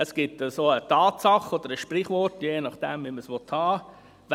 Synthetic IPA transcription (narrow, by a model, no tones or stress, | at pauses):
əsɡ̥ɪtəsoːətɑːtsɑχɔd̪əɾəʃprɪχʋɔrtjeːnɑχd̥ɛmviməsʋɔthɑː | v